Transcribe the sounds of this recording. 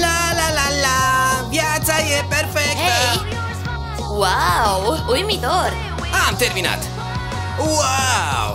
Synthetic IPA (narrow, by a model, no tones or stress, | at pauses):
lalalalabjat͡sajepeɾfekt̪a | wawujmit̪oɾ | amt̪eɾmina̰t̪ | waw